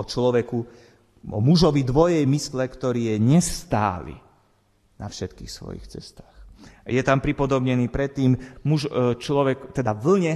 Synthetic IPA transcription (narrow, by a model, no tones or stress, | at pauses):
ɔt͡ʃlɔʋɛku | ɔ̰muʒɔʋid̪ʋɔjɛjmislɛkt̪ɔɾiːjɛɲɛsst̪a̰ːlḭ | nafʃɛt̪kḭːxsʋɔ̰jḭxt͡sɛ̰st̪aːxjɛt̪ampɾipɔd̪ɔbɲɛniːpɾɛt̪ːiːmmuʒt͡ʃlɔʋɛkt̪ɛd̪aʋl̩ɲɛ